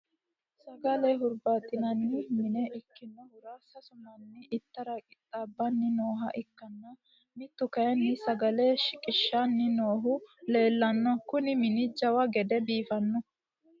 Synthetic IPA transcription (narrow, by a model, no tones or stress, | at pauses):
sɐɡɐleɦʊɾbaːt̪ʼɪnɐnːɪmɪnɛʔɪkːɪnːɔhʊɾaːsɐsʊmɐnːɪʔɪt̪ːɐɾɐkʼɪt̪ʼːaːbːɐnːɪno̞ːɦɐʔɪkːɐnːɐ | mɪt̪ːʊkɐjɐnːɪsɐɡɐleʃɪkʼɪʃːanːɪno̞ːɦʊle̞ːlːɐnːɔkʊnɪmɪnɪd͡ʒɐwɐɡɛd̪ɛbiːfɐnːɔ